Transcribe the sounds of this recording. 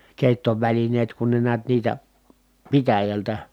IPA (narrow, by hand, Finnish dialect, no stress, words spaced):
keˑi̯tːoʋælineːt kun ne niæt niːtæ pitæjæltæ